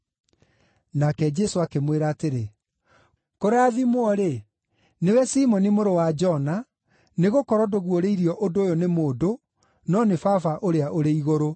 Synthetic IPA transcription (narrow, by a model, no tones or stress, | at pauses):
nakɛd͡ʒɛsoakemweɾaːteɾe | koɾaːðimwɔɾe | newɛsimɔnimoɾowad͡ʒɔna | neɣokɔɾɔdoɣwoɾeiɾiɔʔodoːjonemoːdo | nɔnefafaʔoɾeaʔoɾeiɣoɾo